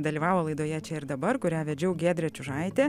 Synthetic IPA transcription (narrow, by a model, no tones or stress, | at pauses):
d̪ɐlʲiːʋɑːʋoːlˠɐɪd̪oːjɛt͡ʃʲɛɪɾd̪ɐbɐɾkʊɾʲæːʋʲɛd͡ʒʲɛʊɡʲeːd̪ʲɾʲɛt͡ʃʲʊʒɐɪt̪ʲeː